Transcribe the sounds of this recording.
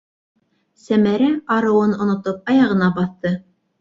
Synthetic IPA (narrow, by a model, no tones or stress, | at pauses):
sæmæɾæqɑɾɤ̆wɤnŏnŏt̪op̚ɑjɑʁɤ̆nɑbɑθt̪ɤ